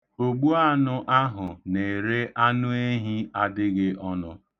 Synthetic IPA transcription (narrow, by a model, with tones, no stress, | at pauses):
o˨ɡ͡bu˦a˦nʊ˦ʔa˦ɦʊ˨ne˨ɾe˦ʔa˦nʊ˦e˦ɦi˦a˦dɪ˦ɣɪ˦ʔɔ˦nʊ˦